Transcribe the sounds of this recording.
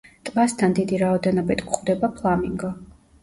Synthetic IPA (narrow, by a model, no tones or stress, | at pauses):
t̪ʼvast̪ʰand̪id̪iɾaɔd̪ɛnɔbit̪ʰkʰχd̪ɛbapʰlˠamiŋɡɔ